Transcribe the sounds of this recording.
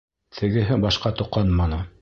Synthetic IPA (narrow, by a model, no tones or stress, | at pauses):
t̪ʰɘ̆ɡɘ̆ɦɘbɑʃqɑt̪ŏqːɑnmɑnɤ